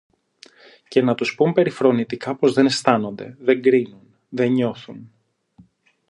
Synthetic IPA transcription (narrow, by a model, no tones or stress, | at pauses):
ce̞nɐt̪uspumpe̞ɾifɾo̞nit̪ikɐpo̞zðe̞ne̞st̪ɐno̞nd̪e̞̰ðe̞ŋɡɾinun | ðe̞ɲo̞θun